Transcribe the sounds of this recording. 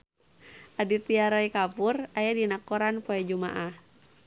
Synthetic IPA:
ʔadit̪iaɾɔikapurajadinakɔɾanpɔɛd͡ʒuma̰ʔah

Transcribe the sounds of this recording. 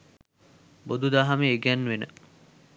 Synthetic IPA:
bod̪ud̪aːɦameːɡænːʋenə̰

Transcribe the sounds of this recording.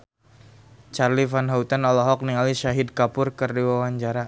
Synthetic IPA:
t͡ʃarlifanɦaut̪anɔlɔɦɔk̚niŋaliʃaɦid̪̚kapʊrkərdiwawaɲt͡ʃaɾa

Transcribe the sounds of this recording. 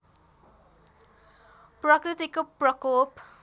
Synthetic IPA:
prʌkrit̪ikoprʌkop

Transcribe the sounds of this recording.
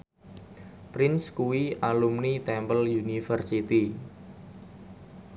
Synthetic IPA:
pɾɪnskuwiʔalumnit̪ɛmbəljunifərsit̪i

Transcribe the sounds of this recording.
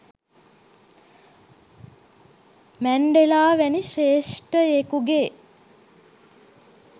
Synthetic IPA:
mæɳɖelaːʋæniʃeːʂʈəekuɡeː

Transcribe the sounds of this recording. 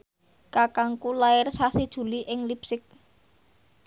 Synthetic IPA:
kakaŋkulaɪrsased̥ʒ̥ṳliʔɪŋlipsɪk̚

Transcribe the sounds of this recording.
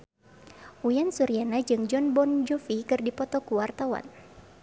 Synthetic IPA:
ujansuɾianad͡ʒɨŋd͡ʒɔnbɔnd͡ʒɔfikɨrdipɔt̪ɔkuwart̪awa̰n

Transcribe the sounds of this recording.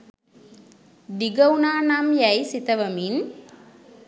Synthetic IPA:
ɖiɡəunaːnamjæjsit̪əʋɐmin

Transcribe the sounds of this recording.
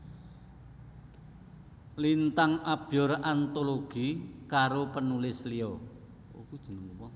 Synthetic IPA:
lint̪aŋab̥iɔrant̪oloɡ̥ikaɾopənulɪsliɔ | kud̥ʒ̥ə̤nəŋupɔ

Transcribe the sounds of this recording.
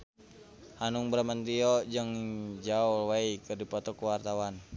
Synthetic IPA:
hanuŋbəɾamant̪iɔd͡ʒɨŋd͡ʒauwaikɨrdipɔt̪ɔkuwart̪awan

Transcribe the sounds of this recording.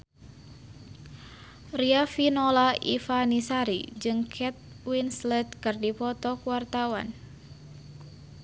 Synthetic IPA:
riafinɔlaḭfanisaɾḭd͡ʒɨŋkʰɛt̪̚ | winslɛd̪̚kɨrdipɔt̪ɔkuwart̪awa̰n

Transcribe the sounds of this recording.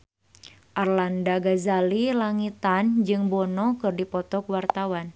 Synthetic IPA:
ʔarlandaɡazalilaŋit̪and͡ʒɨŋbɔnɔkɨrdipɔt̪ɔkwart̪awan

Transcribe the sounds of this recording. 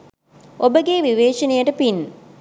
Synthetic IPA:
obəɡeːʋiʋeːʃɐnejəʈəpin

